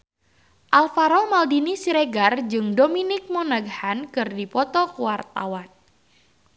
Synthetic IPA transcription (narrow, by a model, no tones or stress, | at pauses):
ʔalfaɾɔmaldinisiɾeɡard͡ʒɨŋdominɪk̚mɔnaɡhankɨrdipɔt̪ɔkuwart̪a̰wan